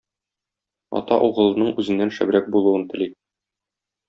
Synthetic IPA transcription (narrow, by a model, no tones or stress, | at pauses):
ɒ̰t̪ɑʔuʁɤ̆lˠɤ̆nɤɴʉzɘ̆nːænʃæ̰b̆ɾæk̚bulˠuwɤnt̪ɘ̆li